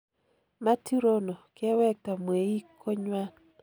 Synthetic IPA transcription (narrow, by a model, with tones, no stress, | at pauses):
ma˦ti˦ɾo˦no˨kɛ˦wɛ˦k̚ta˨mwe˨i˦kʰːo˦ɲwa˦n